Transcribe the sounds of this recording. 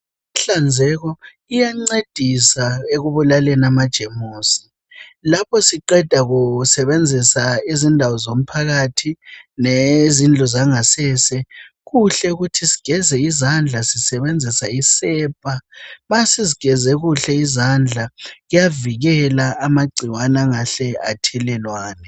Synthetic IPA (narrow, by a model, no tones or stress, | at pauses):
ɬand͡zʱɛɣɔ | ijaŋ͡ǀed̥ʱisaeɣuβulalɛnamad̥ʒ̥ʱemuːsi̥ | lapʰɔsiǃɛd̥ʱaɣusɛβend͡zʱisaizindʱawɔzom̩pʰaɣatʰinezind͡ɮʱɔzaŋasɛːsɛ | ɣuɬɛuɣutʰisi̥ɡ̥ʱɛzɛizand͡ɮʱasisɛβend͡zʱisaisɛːb̥ʱʼaβasiziɡ̥ʱɛzɛɣuɬɛizand͡ɮʱaɣujaviɣɛlaːmaɡ͡ǀʱiwanaŋaɬɛatʰɛlɛlwaːnɛ